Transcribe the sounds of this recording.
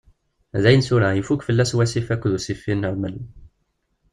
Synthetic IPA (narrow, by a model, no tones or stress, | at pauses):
ðæjnsuɾæjifukfəlːæswæsifækʷːðusifːinːəɾməl